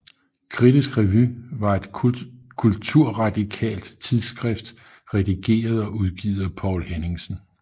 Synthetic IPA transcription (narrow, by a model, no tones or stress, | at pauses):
kʰʁid̥isɡ̥ʁɛʋyʋɑ̈e̝d̥kʰult͡sʰuɐ̰ʁɑ̈d̥ikʰɛ̰ːld̥t͡sʰiðˠsɡ̥ʁɛfd̥ | ʁɛd̥iɡ̥e̝̰ːɐð̞̩ˠɒ̽ʔuð̞ˠɡ̥ḭːð̞ˠɐpʰɒ̰ʊ̰lhene̝ŋsn̩